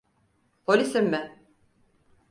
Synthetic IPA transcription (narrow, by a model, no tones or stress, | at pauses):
pʰolʲisimːɪ